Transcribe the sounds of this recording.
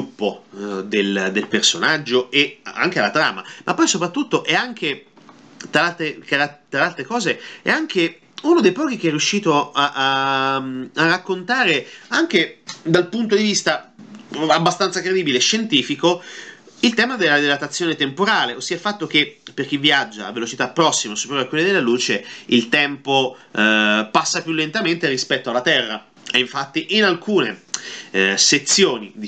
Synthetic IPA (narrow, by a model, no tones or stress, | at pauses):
upːod̪eld̪elpersonad͡ʒːoea̰ŋkealat̪ɾa̰ːma̰mʔapːɔjsopɾat̪ːut̪ːoʔɛaŋk̟e | t̪alalt̪ɾekaat̪alalt̪ɾekɔːzeɛ̰aŋk̟e | unod̪ejpɔːk̟ik̟eɛrːjuʃːiːt̪oaʔamarːakːont̪aːɾeaŋk̟ed̪alpunt̪od̪ivist̪a | abːast̪ant̪sakɾed̪iːbileʃːent̪iːfikoilt̪ɛːmad̪elːad̪elat̪at̪sːjoːnet̪empoɾaːleosːiːafat̪ːok̟epːerk̟ivːiad͡ʒːa̰vːelot͡ʃit̪apːɾɔsːimasu̥pːɾoakwelːed̪elːaluːt͡ʃeilt̪ɛmpo | pasːapjulːent̪ament̪eɾispɛt̪ːoalːat̪ɛrːa | ɛiɱfat̪ːiʔinalkʰuːnḛ | set̪sːjoːnḭ